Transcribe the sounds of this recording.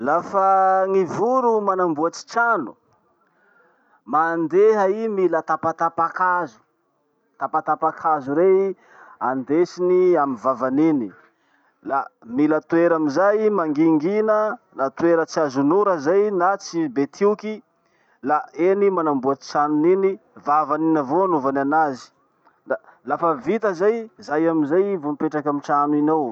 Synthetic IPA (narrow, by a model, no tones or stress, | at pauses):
lafaŋivuɾumanambuat͡ʃi̥t͡ʃanu̥ | mand̪eɦəimilət̪apat̪apakazu̥ | t̪apat̪apakʰazuɾe | and̪esiniamivavanini | lamilət̪ueɾamizajmaŋɡiŋɡinə | nat̪ueɾət͡siazunuɾəzajnat͡sibet̪ʰiuki | laenimanambuat͡ʃanuninivavaninavoanuvananazi̥ | alafəvit̪əzajzajamizajivomipeʈ͡ʂakamit͡ʃanuinow